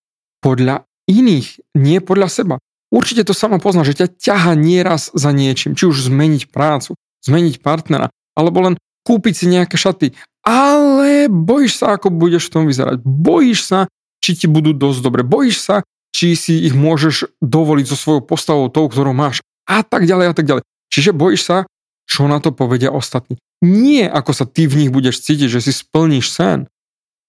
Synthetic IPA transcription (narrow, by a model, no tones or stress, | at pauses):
pɔd̪ʎa | iniːxɲɪɛpɔd̪ʎasɛba | uɾt͡ʃicɛt̪ɔsamɔpɔznaʒɛcacaɦaɲɪɛɾazzaɲɪɛt͡ʃimt͡ʃiuʒzmɛɲicpɾaːt͡su | z̥mɛɲicpaɾt̪nɛɾa̰ | ʔalɛbɔlɛn | kuːpicsiɲɛakɛʃat̪i | ʔalɛbɔjiʃsaakɔbuɟɛʃft̪ɔmʋizɛ̰ɾa̰ɟbɔjiʃsa | t͡ʃicibud̪uːd̪ɔzd̪ɔbɾɛbɔjiʃsa | t͡ʃisiːɣmʊɔʒɛʒd̪ɔʋɔliɟzɔsʋɔjɔʊpɔst̪aʋɔʊt̪ɔʊk̚t̪ɔɾɔʊmaːʃ | ʔat̪aɡɟalɛjat̪aɡɟalɛj | t͡ʃiʒɛbɔjiʃsa | t͡ʃɔnat̪ɔpɔʋɛɟɪaʔɔst̪at̪niː | ɲɪɛʔakɔsat̪ivɲiɣbuɟɛʃt͡siːc̬iɟʒɛsispl̩ɲiʃsɛ̰n